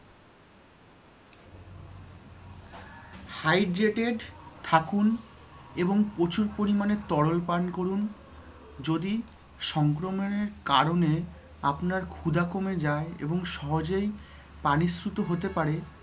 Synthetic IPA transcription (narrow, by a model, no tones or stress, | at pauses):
hajɖɾeʈeɖt̪ʰakuneboŋpot͡ɕuɾpoɾimanet̪ɔɽolpankoɾun | d͡ʑod̪i | ʃɔŋkɾomoneɾkaɾone | apnaɾkʰud̪akomed͡ʑaeḛboŋʃɔɦod͡ʑej | panisɾut̪oɦot̪epaɾe